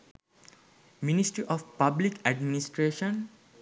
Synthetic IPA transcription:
minisʈɾiʔɔfpablikæɖminisʈɾeːʃə̃n

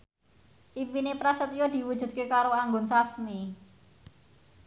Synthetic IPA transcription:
ʔipinepɾasət̪jod̪̥i̤wud̥ʒ̥ṳt̪̚kekaɾoaŋɡʊnsasmi

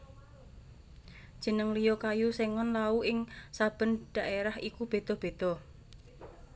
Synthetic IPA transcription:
d̥ʒ̥ə̤nəŋlijɔkajuseŋɔnlauɪŋsab̥ə̤nɖ̪̥a̤ʔeɾahikub̥e̤d̪̥ɔ̤b̥e̤d̪̥ɔ̤

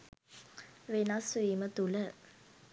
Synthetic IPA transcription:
ʋenasʋiːmət̪ulə

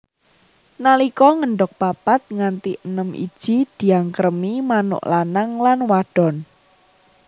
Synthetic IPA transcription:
nalikɔŋəɳɖʊk̚papat̪̚ŋant̪iʔənəmʔḭd̥ʒ̥i̤d̪̥i̤aŋkəɾmimanʊ̰ʔlanaŋlanwaɖ̥ɔ̤n

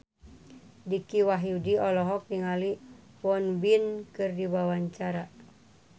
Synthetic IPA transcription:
dikiwaɦiudiɔlɔɦɔk̚niŋali | wɔnbinkɨrdiwawaɲt͡ʃaɾa

